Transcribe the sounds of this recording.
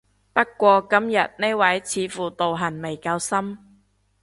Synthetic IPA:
pɐ˥t̚kːʷɔː˧kɐ˥mjɐ̰˨t̚ne˥jwɐ˨˥jt͡sʰiː˨˥fuː˨˩t̪o˨wɦɐ˨˩nme˨˩jkɐː˧wsɐ˥m

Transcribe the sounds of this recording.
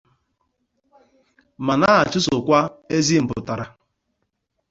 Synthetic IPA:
ma˨na˦a˨t͡ʃʊ˦sʊ˨kʷa˦e˦zi˦m̩˨pʊ̰˨ta˨ɾa˨

